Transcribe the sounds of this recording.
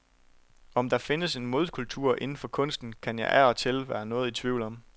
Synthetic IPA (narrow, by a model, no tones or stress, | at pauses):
ɒ̽md̥ɑ̈fe̝nəse̝nmo̝ð̞ˠkʰult͡sʰuɐ̰ʔe̝nn̩fɒ̽kʰɔ̽n̰sd̥n̩kʰænjɑ̈ɪʔæɒ̽t͡sʰe̝lʋæːɐnɔ̽ːð̩ˠit͡sʰʋiʊ̰l̩ɒ̽m